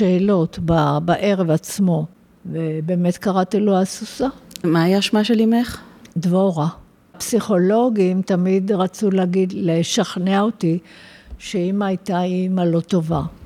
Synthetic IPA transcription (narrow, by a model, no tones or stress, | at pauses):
eːlo̞t̪babaʔe̞ʁevat͡smo̞ | vebe̞ːme̞t̪kaʁat̪iloasusamaːjaʃmaʃelimeχd̪voʁa | psiχo̞lo̞ɡimt̪amid̪ʁat͡sulaɡidleʃaχneaot̪iʃeimajt̪aimalo̞t̪o̞va